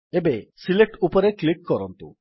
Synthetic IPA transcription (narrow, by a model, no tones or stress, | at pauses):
ebesileʈupɔɾeklikːɔɾɔnt̪ṵ